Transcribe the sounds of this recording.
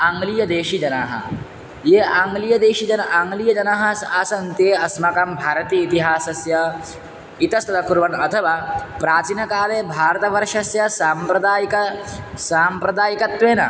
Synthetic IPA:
aŋɡlijɐd̪eːʃid͡ʒɐnaːɦɐ̰ | jeːaŋɡlijɐd̪eːʃid͡ʒɐnaŋɡlijɐd͡ʒɐnaːɦɐsaːsɐnt̪jeːɐsmɐkɐmbʱaːɾɐt̪iːit̪iɦaːsɐsjɐ | it̪ɐst̪ɐt̪ɐkuɾʋɐnɐt̪ʰɐʋaːpɾaːt͡ʃinɐkaːleːbʱaːɾɐt̪ɐʋɐɾʂɐsjɐsaːmpɾɐd̪aːjkɐsaːmpɾɐd̪aːjikɐt̪ʋeːnɐ̰

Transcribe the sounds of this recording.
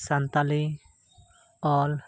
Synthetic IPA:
sant̪ali | ɔl

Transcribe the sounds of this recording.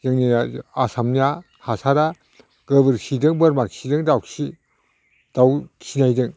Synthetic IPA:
jɯŋninaasamnia | hasaɾa | ɡɯbɯɾsidɯŋbɯɾmaksidɯŋdawsi | d̥awsʰinajdɯŋ

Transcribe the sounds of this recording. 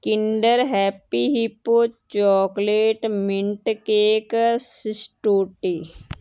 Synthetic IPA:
kɪɳɖəɾɦɛːpiɦipːot͡ʃɔːkleːʈmɪɳʈkeksɪsʈoːʈi

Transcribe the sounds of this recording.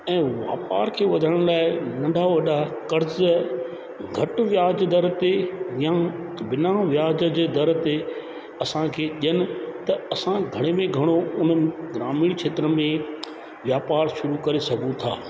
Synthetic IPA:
ɛ̃ːʋa̰ːpa̰ːɾkʰeːʋɐd̪ʱəɽ̃laːɪnɐ̃ɳɖʱaʋɐɗakɐɾz | ɡʱɐʈʋjaːd͡ʑd̪ɐɾt̪ejã | bɪnaʋjaːd͡ʑə̆d͡ʑd̪ɐɾt̪e | ɐsãkʰeːʄiənɪ̆t̪ɐɐsãɡʱɐɽ̃emẽɡʱɐɽ̃oʊnɡɪɾaːmiːɽ̃t͡ʃʰeːt̪ɾəmẽ | ʋjaːpaːɾʃʊɾukɐɾesɐɡʱũt̪ʰa̰ː

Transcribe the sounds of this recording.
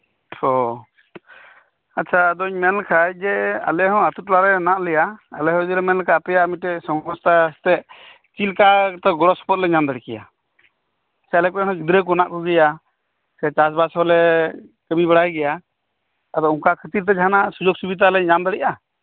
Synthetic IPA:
hɔ | atːt͡ʃʰad̪ɔɲmɛnlkʰajd͡ʒɛa̰lɛɦɔ̃at̪ut̪̚laɾɛnaʔlɛjaːlɛɦɔd̪iɾɛmɛnlkʰaːpɛjamiʈɛsɔŋɔst̪ast̪ɛʔ | t͡ʃilkat̪ɔɡɔɾɔsɔ̥pɔt̪̚lɛɲamd̪əɽikɛja̰ | sɛalɛk̚pɛɦɔ̃ɡid̪ɾɛk̬ɔnaʔkɔɡɛja | sɛt͡ʃasbasɦɔlɛkəbibɛɽajɡɛja | ad̪ɔũŋkakʰət̪iɾt̪̬ɛd͡ʒaɦanasud͡ʒɔk̚subid̪alɛɲamd̪əɽiʔa

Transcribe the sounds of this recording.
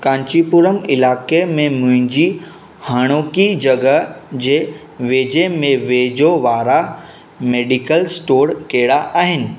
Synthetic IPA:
kãːɲt͡ɕipuɾəmɪlaːkemẽmʊ̃ɦɪ̃ɲd͡ʑi | haːɽ̃oːkid͡ʑɐɡəd͡ʑeː | ʋeːd͡ʑemẽʋeːd͡ʑoʋaːɾa | meːɖikəlsʈoːɾkeːɽaʔaːɦɪnɪ̆

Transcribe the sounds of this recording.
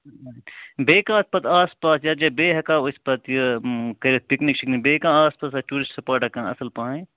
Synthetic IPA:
beːkãːspɐt̪aːspaːsjad͡ʒɐbeːɦɐkãːospɐt̪jəkɐɾet̪̚piknikʃiknibeːkãːaːspaːs̬aʈuːɾɪsʈsɐpoːɾʈɐkãːɐ̰səlpãːẽ

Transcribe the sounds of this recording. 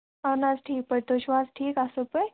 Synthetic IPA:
anad͡zʈʰiːk̚pəɽt̪oɕʋãsʈʰiːkasəpəj

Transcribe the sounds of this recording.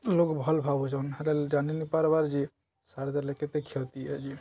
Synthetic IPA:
lokbʱɔlbʱabud͡ʒɔnɾeld͡ʒaninipaɾbaɾd͡ʒi | saɽd̪aleket̪ekʰet̪iɛd͡ʒi

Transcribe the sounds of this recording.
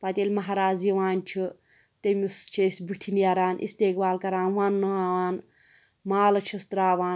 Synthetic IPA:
pɐt̪ʲelʲmɐɦaɾaːziwaːnt͡ʃʰi | t̪emʲist͡ʃʰesʲbukt̪ʰinjaɾaːnʔḭst̪eːkbaːlkɐɾaːnwaːnːɐaːwaːn | maːlɐt͡ʃʰist̪ɾaːwaːn

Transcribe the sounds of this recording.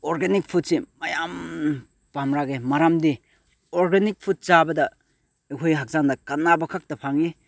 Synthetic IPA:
oɾɡenik̚pʰut̚simɐjam | pamɾaɡemaɾamdi | oɾɡenik̚pʰut̚t͡ʃabɐdɐ | ekʰojɦak̚zaŋdɐkanːabɐkʰak̚tɐpʰaŋi

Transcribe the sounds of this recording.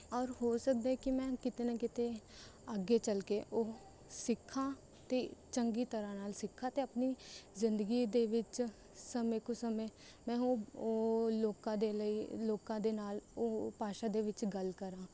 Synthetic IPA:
ɔːɾɦoːsək̚d̪aːɛkɪmɛ̃ːkɪt̪eːnakɪt̪eː | əɡeːt͡ʃəlkeːʔoː | sɪkʰːãː | t̪eːt͡ʃəŋɡiːt̪əɾãːnaːlsɪkʰːãːt̪eːəpniːzɪnd̪əɡiːd̪eːʋɪt͡ʃ | səmẽːkoːsəmẽː | mɛ̃ːoːoːloːkãːd̪eːləiːloːkãːd̪eːnaːloːpaːʃaːd̪eːʋɪt͡ʃɡəlkəɾãː

